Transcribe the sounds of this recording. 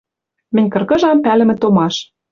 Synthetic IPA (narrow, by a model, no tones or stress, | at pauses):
mɘ̆nʲkɤ̆rkɤ̆ʒɑmpælɘ̆mɘ̆t̪omɑʃ